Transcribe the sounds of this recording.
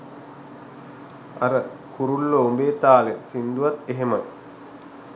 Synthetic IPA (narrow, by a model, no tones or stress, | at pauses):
a̰ɾə | kuɾulːoːmbeːt̪aːlesind̪uʋat̪eɦemɐ